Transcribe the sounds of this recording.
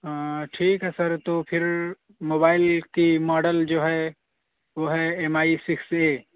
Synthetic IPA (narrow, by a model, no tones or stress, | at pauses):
ʈʰiːkɦɛsəɾt̪opʰɪɾ | moːbaːɪlkimɔːɖəld͡ʒoːɦɛ | ʋoɦɛemaːisikse